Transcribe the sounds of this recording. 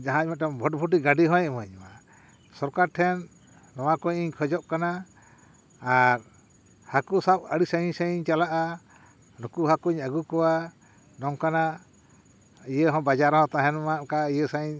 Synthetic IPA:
d͡ʒaɦãc̚mɛt̪̚ɔmbʱɔʈ̚bʱuʈ̬iɡaɖiɦɔ̃jmɔɲma | sɔɾkaɾʈʰɛnː | ɔwakɔɲiɲkʰɔd͡ʒɔʔ̚kana | ɾ | hakusap̚əɽisaiɲsaiɲt͡ʃalaʔa | nukuɦakuiɲaɡukɔwa | nɔŋkana | ijəɦɔ̃bad͡ʒaɾɦɔ̃t̪ãɦɛnmaʔkaijəsaiɲ

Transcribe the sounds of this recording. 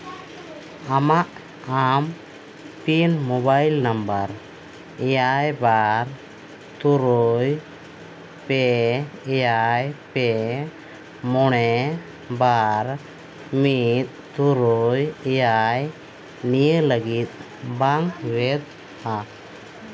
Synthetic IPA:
amaʔ | am | pinmɔbajlnambəɾ | ɛjajbaɾ | t̪uɾɔj | pɛɛjajpɛ | mɔɽɛ | baɾ | mit̪̚t̪uɾɔjɛjaj | nijələɡit̪̚ | baŋwɛt̪̚ | a

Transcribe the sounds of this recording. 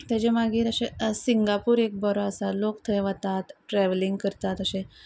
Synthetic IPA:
t̪ed͡ʑemaɡiːɾəɕesiŋɡapuːɾek̚bəɾoəsalokt̪ʰəjʋat̪at̪ʈɾɛʋliŋɡkəɾt̪at̪əɕẽ

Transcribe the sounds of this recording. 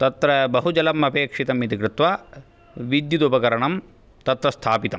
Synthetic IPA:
t̪ɐt̪ɾɐbɐɦud͡ʒɐlɐmɐpeːkʂit̪ɐmit̪ikɾɪt̪ʋa | ʋid̪jut̪upɐkɐɾɐɳɐm | t̪ɐt̪ɾɐst̪ʰaːpit̪ɐm

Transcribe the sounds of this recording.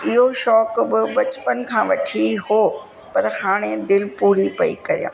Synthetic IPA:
ɪɦoʃɔːkbɪbɐt͡ɕpənɪ̆kʰãːʋɐʈʰihoː | pɐɾhaːɽ̃ẽd̪ɪlpuːɾipɐḭkɐɾijã̰ː

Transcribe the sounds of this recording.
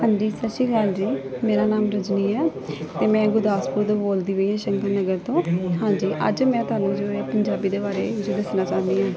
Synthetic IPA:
ɦãːɲd͡ʒiːsətʃiːɡəld͡ʒiːmeːɾaːnaːmɾʊd͡ʒniːɛːt̪eːmɛ̃ːɡʊd̪aːspuːɾd̪õːboːld̪iːʋəiːɦɛ̃ːʃəŋkəɾnəɡəɾt̪õːɦãːd͡ʒiːʔə̰d͡ʒmɛ̃ːt̪ʊaːnũːd͡ʒoːeːpəɲd͡ʒaːbiːd̪eːbaːɾeːd͡ʒoːd̪əsnaːt͡ʃãːnd̪iːɦɛ̃ː

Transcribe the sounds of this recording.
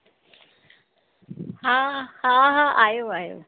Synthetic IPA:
hãhãɦãʔajoajo̰ː

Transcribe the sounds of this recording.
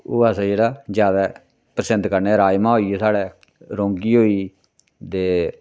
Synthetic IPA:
oːaːsãːd͡ʒeːɽaːd͡ʒjaːd̪aː | pɾəsənd̪kəɾneːɾaːjmãːɦoːiːeːsaːɽeː | ɾõːŋɡiːɦoːiː | d̪eː

